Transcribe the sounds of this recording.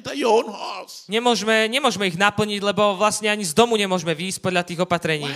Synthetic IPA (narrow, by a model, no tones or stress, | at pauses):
t̪ajɔnɦɔsɲɛmʊɔʒmɛɲɛmʊɔʒmɛiɣnapl̩ɲiɟlɛbɔʋlastɲɛaɲizd̪ɔmuɲɛmʊɔʒmɛʋiːsc̚pɔd̪lʎat̪iːɣɔpat̪ɾɛɲiː